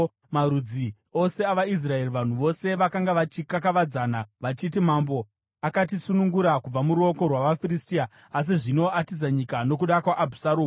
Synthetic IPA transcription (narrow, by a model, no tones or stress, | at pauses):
maɾud͡zi | o̞se̞aʋais̬rae̞riʋan̤uʋo̞se̞ʋakaŋɡaʋat͡ʃikakaʋad͡zanaʋat͡ʃit̬imambo | akatisunuŋɡuɾakub͡vamuɾuo̞ko̞rwaʋafiristia | as̬iʐino̞atis̬aɲikano̞k̬uɗakwaʔabʱusaɾoːm